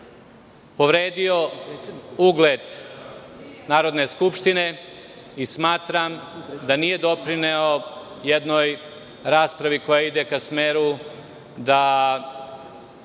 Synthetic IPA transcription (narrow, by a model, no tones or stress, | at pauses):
po̞ʋɾeːd̪io | uːɡled̪ | naːɾo̞d̪ne̞skupʃt̪ine̞ | ismaːt̪ɾamd̪anije̞d̪o̞pɾineo | jed̪no̞j | ɾaːspɾaʋiko̞jaid̪ekasmeːɾu | d̪a